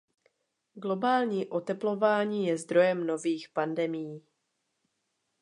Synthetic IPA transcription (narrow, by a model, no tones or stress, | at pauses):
ɡlo̞baːlɲiːʔo̞t̪ɛplo̞vaːɲiːjɛzd̪ɾo̞jɛmno̞viːxpandɛmɪjiː